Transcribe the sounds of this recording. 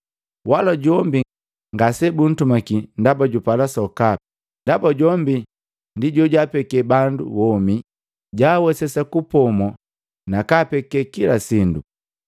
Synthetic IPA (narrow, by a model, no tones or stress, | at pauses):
walaɟɔmbi | ŋɡasɛbun̩tumakindabaɟupalasɔka | ndabaɟɔmbi | ndiɟɔɟapɛkɛbandṵwɔmi | ɟaːwɛsɛsakupɔmɔ | nakapɛkɛkilasindṵ